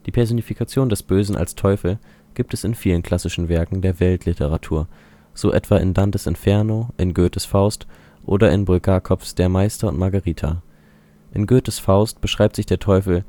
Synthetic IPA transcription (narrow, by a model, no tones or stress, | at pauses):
d̥iːpʰɛɐzoːnifikʰat͡sjoːndɛsb̥øːzn̩ʔa̰lstʰɔʏfl̩ | ɡ̥iːp̚tɛsɪnfiːlənkʰl̥asɪʃn̩vɛɐkŋ̩deːɐvɛltʰlɪtʰəʁatʰuːɐ | z̥oːʔɛ̰tv̥aːʔɪ̰ndantəsɪ̰nfɛɐnoʔɪnɡøːtəsfaʊst | ʔo̰ːdɐɪnbʊlɡaːkʰɔfsd̥eːɐmaɪstɐʊntmaɐɡaʁiːtʰa̰ | ʔɪnɡøːtəsfaʊst̚b̥əʃʁ̥aɪp̚tz̥ɪçd̥eːɐtʰɔʏfl̩